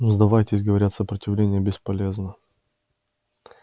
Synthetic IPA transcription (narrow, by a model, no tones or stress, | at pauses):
zd̪ɐvajtʲɪsʲɡəvɐɾʲat̪səpɾətʲɪvlʲenʲɪjəbʲɪspɐlʲeznə